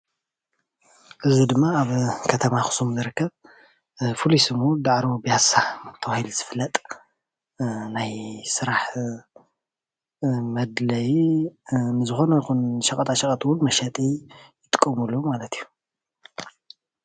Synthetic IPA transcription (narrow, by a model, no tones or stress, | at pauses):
ʔɨzid̪ɨmːaaβkʰɐt̪ʰɐmaxu̥sumzɨɾɨkʰːɐβ | fulisɨmud̪aʕɾobijasat̪ʰɐwahilz̥ɨfɨlːɐt̪ʼ | najsɨɾaħ | mɐd̪lɐj | nɨzɨxo̞nɐjxunʃɐkʼɐt̪ʰaʃɐkʼɐt̪ʰʼwʊnmɐʃɐt̪ʼijɪt̪ʼɨ̥kʼːɐmulːumalɐt̪ʰiju